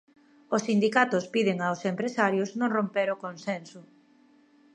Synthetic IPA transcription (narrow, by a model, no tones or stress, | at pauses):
osind̪ikat̪ʊspiðeŋawsempɾesaɾjʊsnõŋrompeɾokonsɛnsʊ